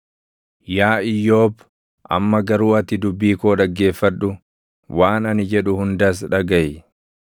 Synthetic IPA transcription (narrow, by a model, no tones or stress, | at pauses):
jaːɪjːo̞ːb | ʔɐ̰mːɐɡɐɾuːɐt̪ɪd̪ʊbːiːkoːᶑɐɡːe̞ːfːɐᶑʊ | waːnɐnɪd͡ʒɛᶑʊhʊnd̪ɐs̬ᶑɐɡɐʔɪ